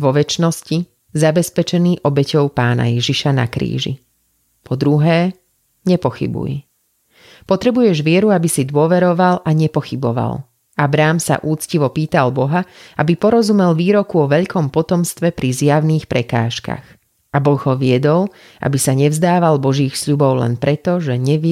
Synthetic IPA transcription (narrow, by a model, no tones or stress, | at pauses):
ʋɔʋɛt͡ʃnɔsci | zabɛspɛt͡ʃɛniːʔɔbɛcɔʊpaːna̰jɛʒiʃana̰kɾḭːʒḭ | pʰɔd̪ɾuɦɛː | ɲɛpɔxḭbṵj | pɔt̪ɾɛbujɛʒʋɪɛɾuabisid̪ʊɔʋɛɾɔʋalʔaɲɛpɔxibɔʋa̰l | abɾaːmsa̰ʔuːt͡sciʋɔpiːt̪albɔɦaʔabipɔɾɔzumɛlʋiːɾɔkuɔʋɛʎkʰɔmpɔt̪ɔmst̪ʋɛpɾizjaʊniːxpɾɛka̰ːʃka̰ɣ | ʔabɔɣɦɔʋɪɛd̪ɔl | ʔa̰bisaɲɛvzd̪aːʋalbɔʒiːxsʎubɔʊlɛ̰npɾɛt̪ɔʒɛɲɛʋ